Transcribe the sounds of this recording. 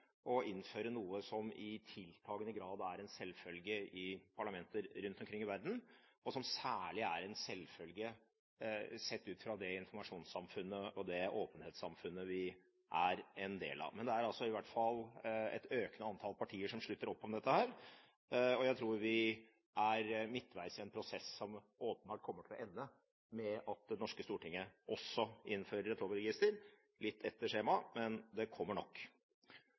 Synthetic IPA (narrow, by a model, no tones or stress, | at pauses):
ɔɪnːføːɾənuːəsɔmɪt̪ʰɪlt̪ʰɑːɡənəɡɾɑːd̪æɾɛnsɛlfœlɡəʔɪpʰɑɭɑmɛnt̪əɾɾʉnt̪ɔmkʰɾɪŋːɪʋæɾd̪n̩ɔsɔmsæːɭɪæɾɛnsɛlːfœlɡə | sɛt̪ːʉːt̪fɾɑd̪ɛɪnfɔɾmɑʂuːnsɑmfʉnːəɔd̪ɛoːpənheːt̪sɑmfʉnːəʋɪ | ʔæɾɛnd̪ḛːlɑ̰ʋmɛnd̪ɛæɾɑlsɔɪʋæʈfɑlːɛ̰t̪øːknəɑnt̪ʰɑlpʰɑʈʰiːəʂɔmʂɭʉt̪ːəɾɔpːɔmd̪ɛt̪ːəhæːɾ | ɔjæɪt̪ʰɾuːɾʋɪ | æɾmɪt̪ːʋæɪsɪɛnpʰɾʊsɛsːɔm | oːpənbɑːʈ̚kʰɔmːəʈʰɪlɔ̰ʔɛnːə | mɛɑt̪̚d̪ɛnɔʂkəst̪uːʈɪŋːəʔɔsːɔʔɪ̰nːføːɾəɾɛt̪ʰɾɔːbəɾɛɡɪst̪əɾ | lɪt̪ʰːɛt̪ːəʂeːmɑmɛnd̪ɛkʰɔmːəɳɔkː